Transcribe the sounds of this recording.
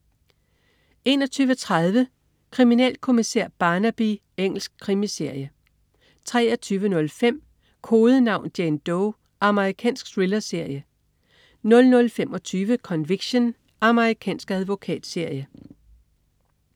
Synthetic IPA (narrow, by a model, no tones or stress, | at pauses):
e̝ːnɒt͡sʰyːʋət͡sʰʁað̞ˠʋə | kʰʁiminɛ̰ːlkʰo̝misḛɐ̰b̥ɑ̈ːnæb̥i | eŋ̰l̩sɡ̥̚kʰʁimise̝ɐ̰jə | t͡sʰʁɛːɐt͡sʰyːʋənɔ̽lfem̰ | kʰo̝ːðˠənɑ̈ʊ̰nd̥jend̥oʊ | ʔɑ̈məʁikʰɛ̰ːnsɡ̥sʁilɐse̝ɐ̰jə | nɔ̽lnɔ̽lfem̰ɒ̽t͡sʰyːʋəkʰɒ̽nʋiɡ̥ɕon | ʔɑ̈məʁikʰɛ̰ːnsɡ̥æðˠʋo̝kʰɛ̰ːd̥se̝ɐ̰jə